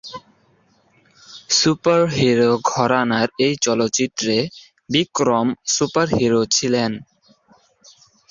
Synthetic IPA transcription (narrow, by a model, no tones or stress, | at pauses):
supaɾɦiɾoɡʱɔɾanaɾejt͡ɕɔlotːt͡ɕit̪ːɾe | bikɾomsupaɾɦiɾot͡ɕʰilen